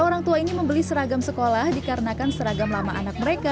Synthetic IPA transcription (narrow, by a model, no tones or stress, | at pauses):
oɾaŋt̪uainiməmbəlisəɾaɡamsəkolahdikaɾənakansəɾaɡamlamaʔa̰nak̚məɾeka